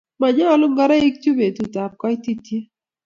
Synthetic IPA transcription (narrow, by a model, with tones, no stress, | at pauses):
ma˨ɲa˦lʊ˦ŋɡa˦ɾa˦i˦k̚t͡ʃu˦be˨tu˨ta˨p̚kɔ˦i˦ti˦tje˦